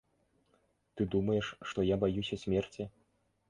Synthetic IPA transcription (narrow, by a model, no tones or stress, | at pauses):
t̪ɨd̪umɐjɛʂːt̪ɔjabajusʲɐsʲmʲɛrt͡sʲi